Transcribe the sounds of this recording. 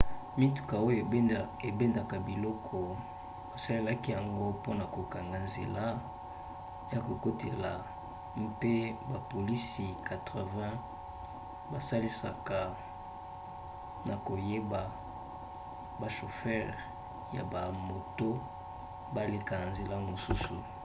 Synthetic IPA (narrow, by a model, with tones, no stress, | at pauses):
mi˦tu̥˨ka˨o˦jo˨ | e˨be˦nda˨ka˨bi˨lɔ˦kʰɔ˨ | o˨sa˦le˦la˦ki˦ja˨ŋɡo˦po˦na˨ko˨ka˨ŋɡa˨nzḛ˨la˦ | ja˨ko˨ko˦te˨la˨ | mpe˦ba˨po˨li˦si˨ka˨tʁə˨vɛ̃˦ | ba˨sa˦li˦sa˨ka˨ | na˨ko˨je˦ba˨ | ba˨ʃo˨fɛ˦ʁ | ja̰˨ba˨mo˨to˦ | ba˦le˨ka˨na˨nze˨la˦mo˨su˦su˨